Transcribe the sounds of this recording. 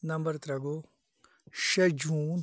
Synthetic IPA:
nɐmbəɾt̪ɾɐɡo | ʃɐd͡ʒũːn

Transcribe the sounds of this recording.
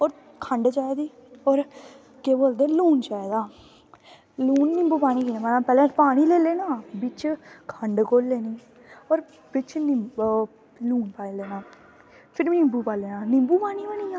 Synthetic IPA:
ɔːɾ | kʰəɳɖt͡ʃaːed̪iː | ɔːɾ | keːboːld̪eːluːnt͡ʃaːed̪aː | luːnːɪmbuːpaːɽ̃iːkiːnãːmanaːpɛːlɛ̃ːpaːɽ̃iːleːleːnaːbɪt͡ʃkʰəɳɖkoːlːeːniː | ɔːɾ | bɪt͡ʃn | luːnpaːĩːleːnãː | pʰɪɾʋiːnɪmbuːpaːleːnãːnɪmbuːpaːniːʋaːniːa

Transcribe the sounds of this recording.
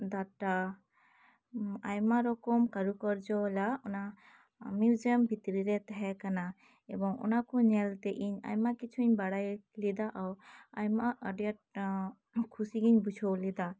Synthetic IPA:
d̪aʈa | ajmaɾɔkɔmkaɾukɔɾd͡ʒɔlaɔna | miwd͡ʒɛmbʱit̪ɾiɾɛt̪ɛɦɛkana | ɛbɔŋɔ̰nakɔɲɛlt̪ɛʔiɲa̰jmakit͡ʃʰuiɲbaɽajlid̪aʔawajmaʔəɖjaʈ̚ | kʰusiɡiɲbud͡ʒʰʱɔwlid̪a

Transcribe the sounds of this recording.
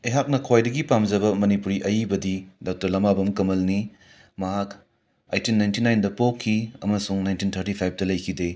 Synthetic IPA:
eɦak̚nɐkʰojdɐɡipamd͡ʒɐbɐmɐnipuɾiʔɐjibɐdidaw̚tɐɾlɐmabɐmkɐmɐlni | mɐɦak | ajtinːajntinajndɐpokʰːiɐmɐsuŋnajntintʰɐɾtipʰajp̚tɐlɐjkʰide

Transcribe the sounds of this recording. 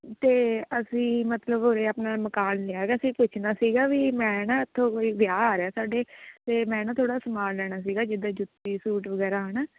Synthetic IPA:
t̪eːəsĩːmət̪ləbɦoːɾeːaːpnaːməkaːnlɪaːɡaəsĩːpʊt͡ʃʰnaːsiːɡaːʋiːmɛ̃ːnãːɪt̪ʰːõːkoːiːʋɪjaːaːɾeaːsaːɖeːt̪eːmɛ̃ːnãːt̪ʰoːɽaːsəmaːnlɛːɽaːs̬iːɡaːd͡ʒɪd̪aːd͡ʒʊt̪ːiːsuːʈʋəɡɛːɾaːɦənaː

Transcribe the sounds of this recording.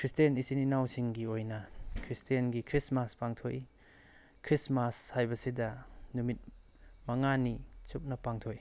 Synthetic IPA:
kɾistenisininawsiŋɡiojnɐkʰɾistienɡikʰɾismaspaŋtʰoj | kʰɾismashajbɐsidɐnumit̚ | mɐŋanit͡ʃup̚nɐpaŋtʰoj

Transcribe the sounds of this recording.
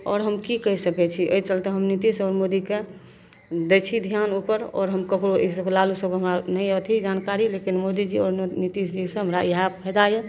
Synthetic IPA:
ɔ̰ːɾɦəmkikəɦsəkɛt͡ʃʰiʔəit͡ʃəlt̪eɦəmnit̪isɔːɾmod̪ike | d̪et͡ʃʰid̪ʱjanupəɾɔ̰ːɾɦəmkəkɾoʔes̬əklalusəbkɦəmɾanəɪət̪ʰid͡ʒankaɾilekinmod̪id͡ʒiɔːɾnit̪isd͡ʒisə̃ɦəmɾajɦapʰɛd̪aje

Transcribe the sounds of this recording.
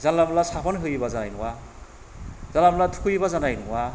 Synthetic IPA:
zalamlasapʰɔnɦɯjbazanajnuwa | z̥alamlatʰu̥kʰɯjβazanajnuwa

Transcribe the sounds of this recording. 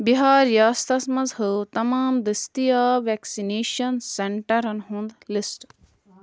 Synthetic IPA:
biɦaːɾjaːst̪ɐsmɐzhɨt̪ɐmaːmd̪ist̪ijaːʋɛːksineːʃɐnseɳʈɐɾɐnɦũnd̪lisʈ

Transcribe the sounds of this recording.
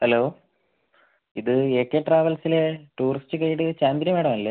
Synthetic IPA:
hɐlo̞ː | iðɨeːkːeːʈraːʋɐlsileʈuːrisʈɨkejːiʈːɨt͡ɕaːnd̪iɾjɐmʋeːɽɐmɐlːe

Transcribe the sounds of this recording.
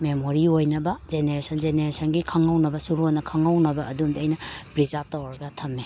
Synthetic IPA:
memoɾiojnɐbɐzeneɾesɐnzeneɾesɐnɡikʰɐŋawnɐbɐsuɾuɔnɐkʰɐŋawnɐbɐːdumdiɐjnɐpɾizap̚tɐwɾɐɡɐtʰɐmːe

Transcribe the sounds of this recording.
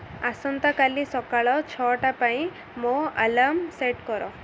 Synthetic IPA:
asɔnt̪akalisɔkaɭɔt͡ʃʰɔʈapaĩ | mõəlamseʈkɔɾɔ

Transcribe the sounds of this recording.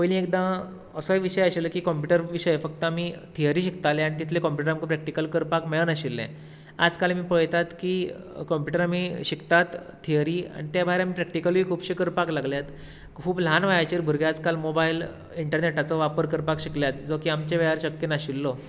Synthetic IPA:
pojlĩek̚d̪ã | əsəʋiɕəjaɕiləkiːkɔmpjuʈəɾʋiɕəjefək̚t̪əamit̪ʰiəɾiːɕikt̪aleaɽ̃it̪̬it̪ʰlekɔmpjuʈəɾamikʰːpɾɛk̚ʈikəlkəɾpakmeɭənaɕilːɛ̰̃ | a̰d͡zkalmiːpəɭjt̪at̪kiː | kɔmpjuʈəɾamiːɕikt̪at̪ʰː | ijəɾiːã̰it̪jabʱajɾamiːpɾɛk̚ʈikəlʋiːkʰuːbɕikəɾpaklaɡljat̪ | kʰuːbl̤anʋajat͡ɕiɾbʱəɾɡjad͡zkalmobail | iɳʈəɾneʈat͡səʋapəɾkəɾpakɕikljat̪d͡zokiamt͡ɕebɛɦaɾɕəkːjenaɕilːɔ

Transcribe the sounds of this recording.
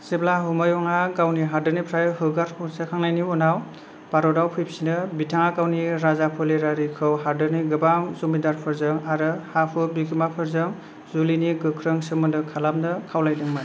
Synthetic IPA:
seblaɦumɔjɔŋaɡawniɦaɾdɯnipʰɾajɦɯɡaɾpʰusekʰaŋnajniunaw | b̥aɾɔdawpʰɯjp̚sinɯbitʰaŋakawniɾazapʰɯleɾaɾikʰɯwɦaɾdɯniɡɯbamzumidaɾpʰɯɾzɯŋaɾɯhapʰɯbikʰimapʰɯɾzɯm | zuliniɡɯkʰɾɯŋsɯmɯndɯkʰalamnɯkʰawlajdɯŋma

